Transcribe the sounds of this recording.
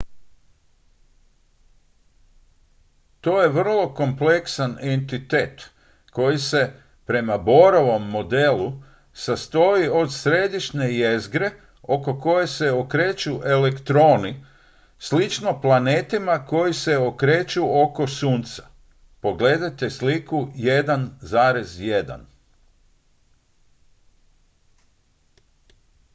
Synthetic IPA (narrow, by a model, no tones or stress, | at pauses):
t̪o̞ːje̞ʋr̩lˠo̞ko̞mple̞ksanent̪it̪e̞ːt̪ | ko̞jise̞ | pɾe̞mabo̞ɾoʋo̞mːo̞d̪e̞lu | sast̪o̞io̞d̪sɾe̞d̪iʃɲe̞jezɡɾe̞ | o̞ko̞ko̞je̞se̞okɾe̞ːt͡ʃuʔe̞le̞kt̪ɾo̞ːni | slit͡ʃno̞plˠaneːt̪imako̞jise̞okɾe̞ːt͡ʃuoko̞suːnt̪sḁ | po̞ɡle̞ːd̪at̪e̞slikuje̞d̪anzaːɾe̞zjed̪a̰n